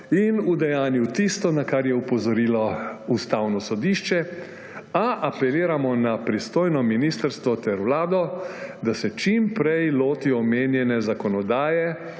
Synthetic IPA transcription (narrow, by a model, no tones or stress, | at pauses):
inud̪ɛjaːnjuwt̪ist̪ɔnakaɾjɛupɔzɔɾiːlɔust̪awnɔsɔd̪iːʃt͡ʃɛ | aʔapɛliːɾamɔnapɾist̪oːjnɔminist̪əɾst̪ʋɔt̪ɛɾʋlaːd̪ɔd̪asɛt͡ʃimpɾɛjloːt̪iɔmeːnjɛnɛzakɔnɔd̪aːjɛ